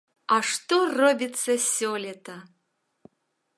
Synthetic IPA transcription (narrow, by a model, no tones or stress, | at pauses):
aʂt̪orobʲit͡sɐsʲolʲet̪ʰɐ